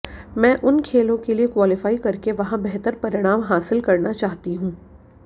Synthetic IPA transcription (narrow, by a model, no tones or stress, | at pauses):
mɛ̃ːʔʊnkʰeːlõkeliekwaːlɪfaːikɐɾkeʋɐɦãbɛɦt̪əɾpɐɾɪɽ̃aːmɦaːsɪlkɐɾnat͡ʃaːɦt̪iɦũː